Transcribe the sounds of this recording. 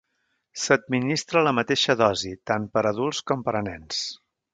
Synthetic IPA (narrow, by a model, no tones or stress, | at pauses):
səd̪̚minist̪ɾələmət̪eʃəðɔzit̪anpəɾəðulˠskɔmpəɾənɛns